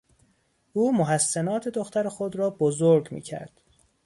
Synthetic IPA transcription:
ʔuːmoɦæsːænɒːt̪ʰe̞d̪oxt̪æɾexo̞d̪ɾɒːbozoɾɡmḭːcʰæ̰ɾd̪̥

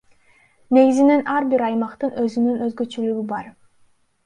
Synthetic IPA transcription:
ne̞ɡizine̞nʔɑɾbiɾɑjmɑqt̪ɯnʔøzynynø̞zɡøt͡ʃølyɡybɑɾ

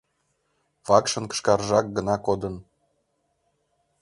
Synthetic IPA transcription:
βɑkʃə̆nkə̥ʃkɑrʒɑk̚ɡə̆nɑkod̪ə̆n

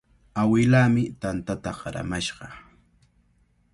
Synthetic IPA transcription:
awɪlaːmɪt̪ant̪at̪aɢɑɾa̰maʃɢɑ

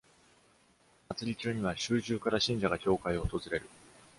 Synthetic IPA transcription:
mat͡sɨɾʲit͡ɕɨːɲ̟iβaɕɨːʑɨːkaɾaɕĩɲ̟d͡ʑaɡakʲo̞ːkaio̞ːt̪o̞zɨɾe̞ɾɯ̟

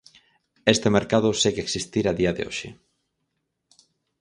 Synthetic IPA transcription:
est̪ɪmeɾkaðʊseɣeksist̪iɾaðiɐðḛo̰ʃɪ̰

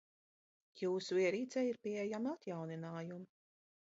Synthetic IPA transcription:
juːsuviɛɾiːt̪sɛːjiɾpiɛjamat̪jawninaːjum

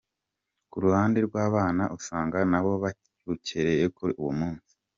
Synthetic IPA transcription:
kuɾuhaːndeɾɡwaːβaːnaʔusaːŋɡanaβo̞βa | uceɾe̞jekuiuwomuːnsi̥

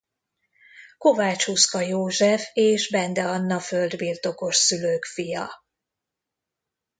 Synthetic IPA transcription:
ko̞vaːt͡ʃhuskɒjoːʒɛfeːʒbɛnd̪ɛɒnːɒfø̞ld̪birt̪o̞ko̞ʃsyløːkfijɒ

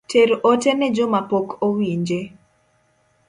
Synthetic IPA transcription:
teɾotɛnɛd͡ʒomapokowiɲd͡ʒe

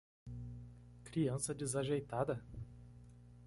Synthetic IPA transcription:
kɾiɐ̃sɐd͡ʒizaʒejt̪ad̪ɐ

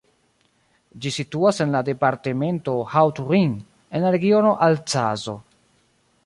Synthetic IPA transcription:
d͡ʒisituase̞nlade̞paɾte̞me̞nto̞hawtɾiŋ | e̞nlaɾeɡio̞no̞ʔalt͡sazo̞̰

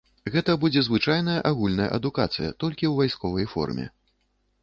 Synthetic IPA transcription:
ɣɛt̪ɐbud͡zʲɛzvɨt͡ʂajnɐjɐʔaɣulʲnɐjɐ̰ʔɐd̪ukat̪sɨjɐ̰t̪ɔlʲkʲiwvajskɔvɐjfɔ̰rmʲɛ̰

